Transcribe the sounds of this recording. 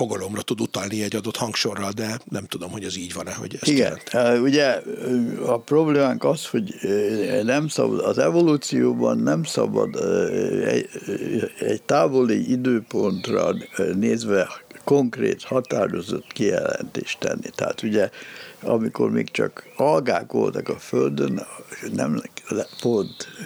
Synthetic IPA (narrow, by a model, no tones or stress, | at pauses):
foɡɒlo̞mrɒt̪ud̪ut̪ɒlniɛɟːɒd̪ot̪hɒŋkʃorːɒld̪ɛnɛmt̪ud̪o̞mho̞ɟɛziːɟʋɒnɛɦo̰ɟɛsiɡɛɛ̰nt̪uɟɛ | ɒpro̞bleːmaːŋkɒsho̞ɟ | nɛmsɒbɒd̪ɒzɛvo̞luːt̪sijoːbɒnːɛmsɒbɒd̪ | ɛ | ɛɟt̪aːvo̞liʔid̪øːpo̞nt̪rɒneːzʋɛkoŋkreːt̪hɒt̪aːɾo̞zo̞t̪kijɛlɛnt̪eːʃt̪ɛnːit̪ɛa̰ːt̪uɟɛɒmiko̞rmeːkt͡ʃɒkɒlɡaːkʋo̞̰lt̪ɒkɒføld̪ønnɛmpont̪